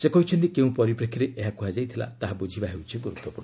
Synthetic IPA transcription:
sekɔɦut͡ʃʰɔntikeũpɔɾipɾekʰːiɾeʔeɦakuɦad͡ʒajt̪ʰila̰t̪aɦabud͡ʒʱibaɦewt͡ʃʰiɡuɾut̪ːɔpuɾnɔ

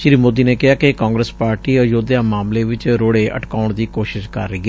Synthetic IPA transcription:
ʃɪɾiːmoːd̪iːneːkɪɦaːkɪkaːŋɡɾəspaːɾʈiːəd͡ʒoːd̪jãːmaːmleːʋɪt͡ʃɾoːɽeːʔə̰ʈkaːʊɳ̃d̪iːkoːʃɪʃkə̰ɾːəiːɡɛː

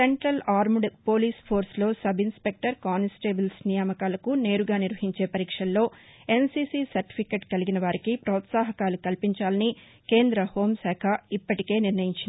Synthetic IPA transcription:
se̞ɳʈɾɐlaːɾmɖpoːliːspʰo̞ːɾslo̞ːsɐbinspe̞k̚ʈɐɾkaːnisʈeːbilsnijaːmɐkaːlɐkune̞ːɾuɡaːniɾʋɐɦiɲt͡ʃe̞ːpɐɾiːkʂɐllo̞ːe̞nsiːsiːsɐɾʈi̥pʰikeːʈkɐliɡinɐʋaːɾikipɾɔːt̪saːɦɐkaːlukɐlpiɲt͡ʃaːlɐni | ke̞ːnd̪ɾɐho̞ːmsɛːkʰɐipːɐʈike̞ːniɾnɐjiɲt͡ʃind̪i

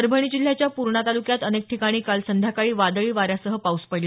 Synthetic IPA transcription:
əɾbʱəɳ̃iːd͡ʑil̤ːjat͡ɕjapuɾɳat̪alukjat̪ənek̚ʈʰikaɽ̃iːkalsənd̪ʱjakaɭiːʋad̪əɭiːʋaɾjasəɦəpauspəjl

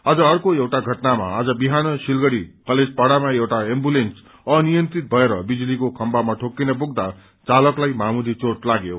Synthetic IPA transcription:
ad͡zʌːrkoewʈaɡʱʌʈnama̰ːd͡zʌbiɦanʌsilɡʌɽikʌled͡zpaɽamaewʈaembulens | ʌnijʌnt̪ɾit̪̚bʱʌeɾʌbid͡zlikokʰʌmbamaʈʰokːinʌbuɡd̪a | t͡salʌklajmamud̪it͡soʈlaɡjo̰

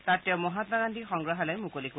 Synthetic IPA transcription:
tattːɛwmɔɦat̪maɡandixɔŋɡɹaɦalɔjmukoliko

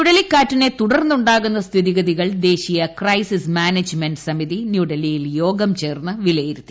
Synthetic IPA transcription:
nuɽɐlikːaːtːine̞t̪uɽɐrnːuɳɖaːɣunːɐst̪ʰiðiɣɐðiɣɐɭd̪e̞ːɕijɐkrɐjsismaːnɐd͡ʑmeɳɖsɐmiðinjuːɽɐlijiljo̞ːɡɐmt͡ɕe̞ːrnːɨʋilɐjiɾut̪ːi̥

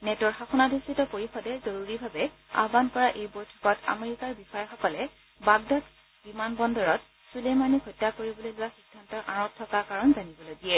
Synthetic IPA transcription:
nɛtɔɹxaxɔnadʱistitɔpoɹixɔdɛzoɹuɹibʱabɛ | a̰bankɔɹaʔejbojtʰɔ̥kɔta̰meɹikaɹbixɔjɔxɔkɔlɛ | baɡdat | b̥imanbɔndɔɹɔt | sulemanikʰɔjtːakoɹibɔlojlʊwaxiɡʱːantɔɹʔaɹɔttʰːɔkakaɹɔnzanibɔlojɡijɛ

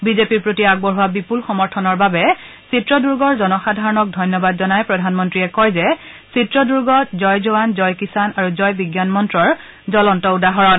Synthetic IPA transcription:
bizepiɹpɹotiaɡ̚bɔɹɦuwabipulxɔmɔɹtʰɔnɔɹbabɛ | sitɹɔduɹɡɔɹzɔnɔxadʱaɹɔnɔk̚dʱɔjnjɔbadzɔnajpɹɔdʱanmɔntɹiɛkɔjzɛ | sitɹɔduɹɡɔtzɔjzowanzɔjkisanaɹuzɔjbiɡjanmɔntɹɔɹ | zɔlɔntɔudaɦɔɹɔn

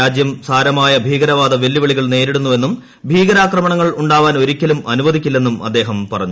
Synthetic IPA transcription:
aːd͡ʑjɐmsaːɾɐmaːjɐbʱiːɡɐɾɐʋaːd̪ɐʋe̞lːiʋɐɭiɣɐɭne̞ːɾiɽunːuʋe̞nːum | bʱiːɡɐɾaːkrɐmɐɳɐŋːɐɭuɳɖaːʋaːno̞ɾikʲːɐlumɐnuʋɐðikʲːilːe̞nːumɐ̰d̪ːe̞ːɦɐmpɐrɐɲːu

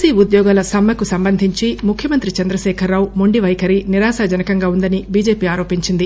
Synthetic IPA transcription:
siːud̪jɔːɡaːlɐsɐmːɐkusɐmbɐnd̪ʱiɲt͡ʃimukʰjɐmɐnt̪ɾit͡ʃɐnd̪ɾɐʃɛːkʰɐɾːaːwumoɳɖiʋɐjkɐɾiniɾaːsaːd͡ʒɐnɐkɐŋɡaːund̪ɐnibiːd͡ʒeːpiːaːɾo̞ːpiɲt͡ʃind̪i

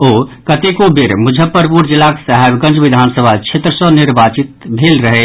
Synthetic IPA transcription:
oːkɐt̪ekobɪɾmʊd͡ʒʱəpːəɾpuːɾd͡ʒɪlaːksaɦɛbɡɐ̃nd͡ʒʋɪd̪ʱaːnsəbʱat͡ʃʰet̪ɾəsɔnɪɾbaːt͡ʃɪt̪̚bʱeːlɾɐɦeː

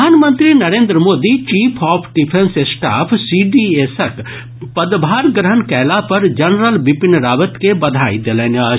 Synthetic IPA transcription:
aːnmə̃nt̪ɾinɐɾẽːnd̪ɾəmoːd̪it͡ʃiːpʰɔːpʰɖipʰẽnsesʈa̰ːpʰsiːɖieːsək | pɐd̪bʱaːɾɡɾəɦənkɛːlapɐɾd͡ʒɐnɾəlʋɪpɪnɾaːʋət̪kebɐd̪ʱaːid̪elɛnɐ

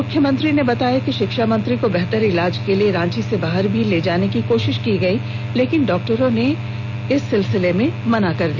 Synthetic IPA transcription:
mʊkʰjəmə̃nt̪ɾinebɐt̪aːjakiʃɪkʃamɐ̃nt̪ɾikobɛɦt̪əɾɪlaːd͡ʒkelieɾãːt͡ʃisebaːɦəɾbʱileːd͡ʒaːnekikoːʃɪʃkiɡɐi | leːkɪnɖɔːk̚ʈəɾõne | ɪsːɪlsɪlemẽmɐnakɐɾd̪iː

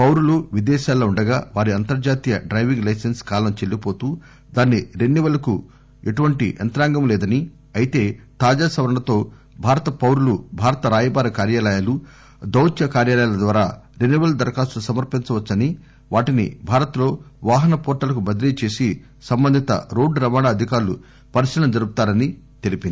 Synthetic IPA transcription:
pɐwɾuluʋid̪ɛːʃaːlːoːuɳɖɐɡaːʋaːɾiɐnt̪ɐɾd͡ʒaːt̪ijɐɖɾɐjʋiŋɡlɐjsenskaːlɐmt͡ʃe̞lːipo̞ːt̪uː | d̪aːnːiɾenːiʋɐlɐku | eʈuʋɐɳʈḭʔɐnt̪ɾaːŋɡɐmlɛːd̪ɐni | ɐjit̪e̞ːt̪aːd͡ʒaːsɐʋɐɾɐɳɐt̪o̞ː | bʱaːɾɐt̪ɐpɐwɾulubʱaːɾɐt̪ɐɾaːjɐbaːɾɐkaːɾjaːlɐjaːlu | d̪ɐwt͡ʃjɐkaːɾjaːlɐjaːlɐd̪ʋaːɾaːɾenːiʋɐld̪ɐɾkaːsusɐmɐɾpint͡ʃɐʋɐt͡ʃːɐni | ʋaːʈinḭbʱaːɾɐt̪lo̞ːʋaːɦɐnɐpɔːʈːɐlɐk̬ubɐd̪ɾiːɐt͡ʃe̞ːsi | sɐmbɐnd̪ʱit̪ɐ̰ɾoːɖɾɐmaːnaːɐd̪ʱikaːɾlṵ | pɐɾisilɐmd͡ʒɐɾuɡut̪aːɾɐnit̪e̞lipind̪i

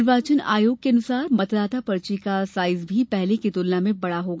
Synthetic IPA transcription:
ɾʋaːt͡ʃəna̰ːjoːɡ̚keɐnʊsaːɾmɐt̪d̪aːt̪apɐɾt͡ʃikasaːɪzbʱipɛɦlekit̪ʊlnamẽbɐɽaɦoːɡa

